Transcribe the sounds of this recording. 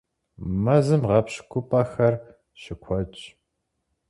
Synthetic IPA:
mɐzɨmʁɐpɕkʷʰʊpʼɐxɐr | ʃɪkʷʰɔt͡ʃʼ

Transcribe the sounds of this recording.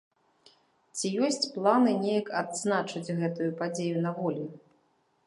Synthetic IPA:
t͡sʲijɔsʲt͡sʲplˠanɨnʲejɐkad̪znat͡ʂɨd͡zʲɣɛt̪ujupad͡zʲejunɐvɔlʲi

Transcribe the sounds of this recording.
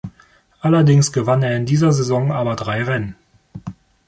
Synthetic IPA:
ʔalɐdɪŋsɡ̥əvaneːɐɪndiːzɐzezɔŋʔaːbɐdʁaɪʁɛnən

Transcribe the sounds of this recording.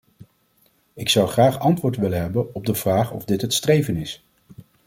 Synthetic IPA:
ɪksʌwχraːχɑntʋʊːɹtʋɪləɦɛbənɔb̚dəv̥raːχɔ̰vdɪtɦətstrejvənɪs

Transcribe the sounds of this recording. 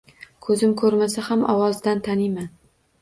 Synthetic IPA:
kʰɵzɪmkʰɵɾmasahamʔɒwɒzd̪ant̪ʰanɪjman

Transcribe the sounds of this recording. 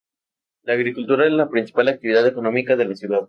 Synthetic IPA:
laːɣɾikult̪uɾaezlapɾinsi̥palak̚t̪iβiðaðe̞ko̞no̞mikaðe̞lasjuðað

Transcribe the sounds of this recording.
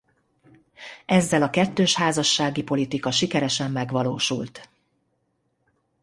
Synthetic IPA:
ɛzːɛlɒkɛt̪ːøːʃhaːzɒʃːaːɡipo̞lit̪ikɒʃikɛɾɛʃɛmːɛɡʋɒloːʃṵlt̪

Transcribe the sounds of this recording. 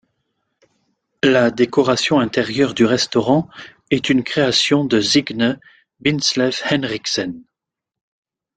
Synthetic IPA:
lad̪ekɔʁasjɔ̃ɛ̃t̪ɛʁjœʁd̪yʁɛst̪ɔʁɑ̃ | ɛt̪ynkχeasjɔ̃d̪əziɡnə | binslɛfhɛnʁiksɛn

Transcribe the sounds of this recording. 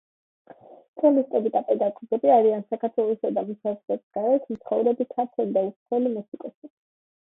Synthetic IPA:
t̪ʼɔlist̪ʼɛbid̪apʼɛd̪aɡʼɔɡɛbiaɾiansakʰaɾt̪ʰwɛlˠɔsad̪amusazlɛbisɡaɾɛt̪ʰm̩t̪sʰχɔvɾɛbit̪ʰaɾt̪ʰɛlid̪aut̪ʰɛlimɛsikʼɔsi

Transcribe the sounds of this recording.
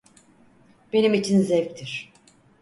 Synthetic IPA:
b̥e̞nimit͡ʃʰinzɛvc̚t̪ʰiɾ̝̥

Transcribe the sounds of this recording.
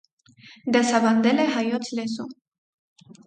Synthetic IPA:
d̪esaβand̪eleɦajot͡slesu

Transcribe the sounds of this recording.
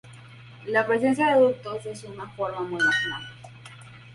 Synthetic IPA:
lapɾesensjaðeðuk̚t̪osesunafoɾmamujnasnal

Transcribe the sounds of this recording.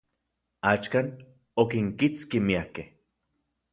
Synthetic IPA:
at͡ʃkan | okiŋkit͡skimiakeh

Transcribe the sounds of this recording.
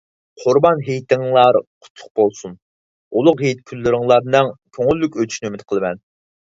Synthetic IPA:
qʰʊɾbɑnɦejt̪ʰɪŋlˠɑɾqʰʊ̥t̪ʰːʊ̥χ̚b̥olˠsun | ulˠʊqɦejt̪kʲʰylːyɾɪŋlˠɑɾnɨŋkʲʰøŋylːykʲøt̪ʰy̥ʃnyømɪt̪qʰəlˠɨmɛn

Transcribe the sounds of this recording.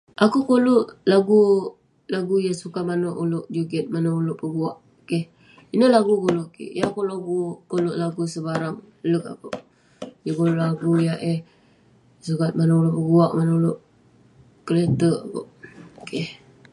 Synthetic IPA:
ʔakukoluʔlaɡu | laɡujasukamanoʔulʊʔd͡ʒuɡɛt̪̚manaulʊʔpəbuaʔ | keh | inəlaɡukoloʔkḛjakoloɡukoluʔlaɡusəbaɾaŋ | lək̚a̰koʔ | jakoloʔlaɡujaʔeh | sukat̪̚manaulʊʔpəbuaʔmanaulʊʔ | kələt̪əʔako̰ʔkeh

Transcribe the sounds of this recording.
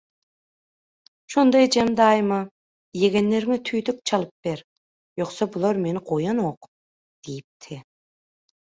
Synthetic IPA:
ʃond̪ɑjd͡ʒɛmd̪ɑjmɑ | jeɡʲenːeɾŋɛt̪ʰyjd̪yk̚t͡ʃʰɑlˠɯp̚beɾ | joqsɑbulˠɑɾmenɪqʰojɑnoq | d̪̥ejip̚t̪ʰɪ

